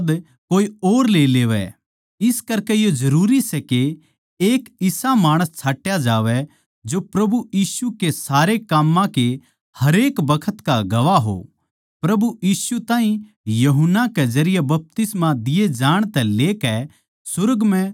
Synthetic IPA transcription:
d̪ | koːioːɾleːleːʋɛ̰ | ɪskɐɾkɛjod͡ʒɐɾuːɾisɛke | eːkɪsamaːɽ̃əst͡ʃʰaːʈjad͡ʒaːʋɛ | d͡ʒopɾɐbujiːsukesaːɾekaːmːãke | hɐɾeːkbɐkʰət̪kaɡɐʋaɦo̰ | pɾɐbujiːsut̪ãːɦĩ | jɐɦənːakɛd͡ʒɐɾɪjɛbɐp̚t̪ɪsmãd̪ɪed͡ʒaːɽ̃t̪ɛ̃leːkɛ | sʊɾəɡmɛ̃

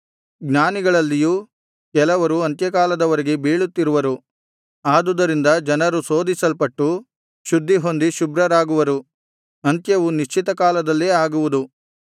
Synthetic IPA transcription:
ɡnaːniɡɐɭɐlːijuː | kɛlɐʋɐɾuɐnt̪jɐkaːlɐd̪ɐʋɐɾeɡe̞biːɭut̪ːiɾuʋɐɾu | aːd̪ud̪ɐɾind̪ɐd͡ʒɐnɐɾusoːd̪isɐlpɐʈːu | ʃud̪ʱːiɦo̞nd̪iʃubɾɐɾaːɡuʋɐɾu | ɐnt̪jɐʋuniʃt͡ʃit̪ɐkaːlɐd̪ɐlːeːaːɡuʋud̪u

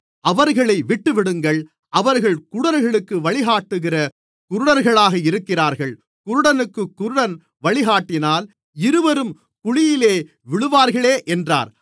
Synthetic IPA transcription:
ʔɐʋɐɾɣɐɭɐɪʋɪʈːɯʋɪɽɯŋɡɐɭ | ʔɐʋɐɾɣɐɭkʊɽɐɾɣɐɭɯkːɯʋɐɭɪɣaːʈːɯɣɪrɐ | kʊɾɯɽɐɾɣɐɭaːɣɐɪɾɯkːɪraːɾɣɐɭ | kʊɾɯɽɐnɯkːɯkːʊɾɯɽɐn | ʋɐɭɪɣaːʈːɪnaːl | ɪɾɯʋɐɾɯm | kʊɻɪjɪleː | ʋɪɭɯʋaːɾɣɐɭeːʔɛndra̰ːɾ

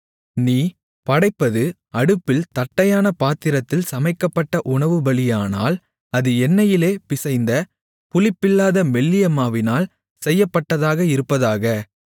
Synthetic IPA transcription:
niː | pɐɽɐɪpːɐðɯ | ɐɽɯpːɪlt̪ɐʈːɐjaːnɐpaːt̪ɪɾɐt̪ːɪlsɐmɐɪkːɐpːɐʈːɐʔʊɳɐʋɯbɐɭɪjaːna̰ːl | ɐðɯɛnːɐjɪleːpɪsɐɪnd̪ɐ | pʊlɪpːɪlːaːðɐmɛɭːɪjɐmaːʋɪnaːl | sɛjːɐpːɐʈːɐðaːɣɐɪɾɯpːɐðaːɣɐ

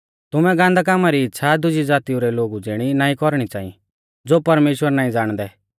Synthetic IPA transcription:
t̪ʊmɛɡãːnd̪ak̬aːmaɾiɪtːʃʰad̪ʊd͡ʒid͡zaːt̪iuɾɛloːɡud͡zɪɽ̃inaːĩkɔɾɽ̃it͡saːḭ̃ | d͡zoːpɐɾmeːʃwəɾnaːĩd͡zaːɽ̃d̪ɛ

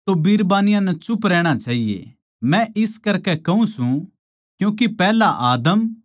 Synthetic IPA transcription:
t̪obiɾbaːnɪjãnɛt͡ʃʊpɾɛːɽ̃at͡ʃaːɦijḛ | mɛ̃ʔɪskɐɾkɛkɐũsũ | kjũːkipɛːlaʔaːd̪əm

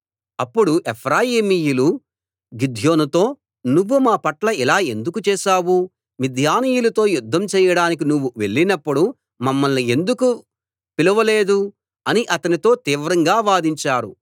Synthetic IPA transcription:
ɐpːuɽuʔepʰɾaːjiːmijulu | ɡid̪ʱjo̞ːnut̪o̞ː | nuʋːumaːpɐʈlɐilaːe̞nd̪ukut͡ʃɛːʃaːwu | mid̪ʱjaːnijulɐt̪o̞ːjud̪ʱːɐmt͡ʃɛːjɐɽaːnik̬inuʋːuʋe̞̰ɭːinɐpːuɽu | mɐmːɐlnie̞nd̪uku | piluʋɐleːd̪u | ɐniʔɐt̪ɐnit̪o̞ːt̪iːʋɾɐŋɡaːʋaːd̪iɲt͡ʃaːɾṵ

